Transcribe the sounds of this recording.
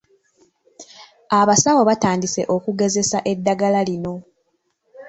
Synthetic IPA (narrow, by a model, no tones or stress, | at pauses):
aβasawoβataːndise̞̰ʔo̞kuɡe̞ze̞saʔe̞dːaɡalalino̞